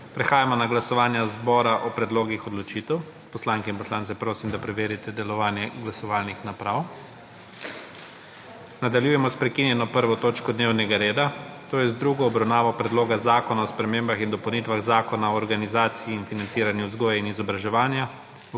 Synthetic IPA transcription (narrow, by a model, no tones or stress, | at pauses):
pɾɛxaːjamɔnaɡlasɔʋaːnjazbɔːɾaʔɔpɾɛd̪loːɡixɔd̪lɔt͡ʃit̪ɛw | pɔslaːŋkɛinpɔslaːnt̪sɛpɾoːsimd̪apɾɛʋeːɾit̪ɛd̪ɛlɔʋaːnjɛɡlasɔʋaːlnixnapɾaw | nad̪aljuːjɛmɔspɾɛkinjɛnɔpəɾʋɔt̪oːt͡ʃkɔd̪neːwnɛɡaɾeːd̪at̪oːjɛzd̪ɾuɡɔːbɾawnaːʋɔpɾɛd̪loːɡazaːkɔnaɔspɾɛmeːmbaxind̪ɔpɐwnit̪ʋaɣzaːkɔnaɔːɾɡanizaːt̪siiːnfinant̪siːɾanjuzɡɔːjainizɔbɾaʒɛʋaːnja